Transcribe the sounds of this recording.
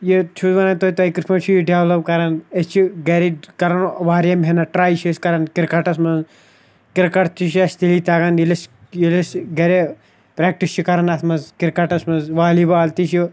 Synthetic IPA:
jet͡ʃʰudʋɐnɐnt̪oːit̪ɐikɪɾpʰɐmt͡ʃʰijiɖeʋlɐp̚kɐɾɐnɐt͡ʃʰiɡeɾiɖkɐɾɐnʋaːɾjɐmɦenɐʈɾaːjt͡ʃʰiskɐɾɐnkiɾkɐʈɐsmɐnz | kɪɾkɐʈt̪iʃɐst̪iliːt̪ɐɡɐnjilɐs | jilesɡɐɾe | pɾeːk̚ʈist͡ʃʰikɐɾɐnɐt̪ʰmɐnzkiɾkɐʈɐsmɐnzʋaːlibaːlt̪iʃjo

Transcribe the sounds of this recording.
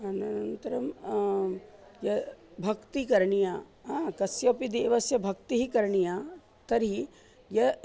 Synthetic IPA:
ɐnɐnɐnt̪ɐɾɐm | jɐbʱɐkt̪ikɐɾɳijaːɦakɐsjɐpid̪eːʋɐsjɐbʱɐk̚t̪iɦikɐɾɳija | t̪ɐɾi | jɐ

